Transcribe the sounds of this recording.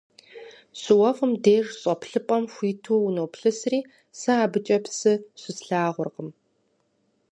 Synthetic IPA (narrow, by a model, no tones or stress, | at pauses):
sɨwɐfɨmdeːʐɕʼɔpɬɨpʼɐmxʷiːtʰuːnowpɬɨsriː | sɨaːbɨt͡ʃʼɐpsɨɕʷɪsɬaːʁʷʊrqəm